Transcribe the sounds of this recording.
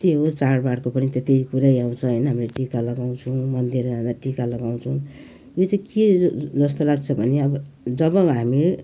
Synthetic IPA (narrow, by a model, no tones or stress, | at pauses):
t̪eɦot͡sarbaɽkopʌnit̪et̪ejkuɾajaw̃t͡sʰʌɦʌjnʌɦamileʈikalʌɡaw̃t͡sʰũmʌnd̪ʱirɡãd̪aʈikalʌɡaw̃t͡sʰʌw̃ | jot͡sajked͡zʌst̪ʌlaɡt͡sʰʌbʱʌneʌbʌ | d͡zʌbʌ̃ɦami